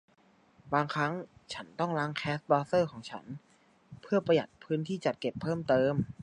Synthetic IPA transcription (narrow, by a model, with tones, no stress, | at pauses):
baː˧ŋkʰɾa˦˥ŋt͡ɕʰa˦˥nt̪ɔ˥˩ŋɾa˦˥ŋkʰɛː˦˥s̚bɔː˧sɤː˥˩kʰɔː˩˦ŋt͡ɕʰa̰˦˥n | pʰɯ˥˩ɐpɾa˧ja˨˩t̪̚pʰɯː˦˥nt̪ʰiː˥˩t͡ɕa˨˩t̪̚ke˨˩pʰːɤː˥˩mt̪ɤː˧m